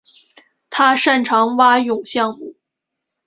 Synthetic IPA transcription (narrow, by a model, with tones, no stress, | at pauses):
t̪ʰa˥ʂa˥˩nʈ͡ʂʰɑ˧˥ŋwa˥jʊ˨˩ŋɕjɑ˥˧ŋmu˥˩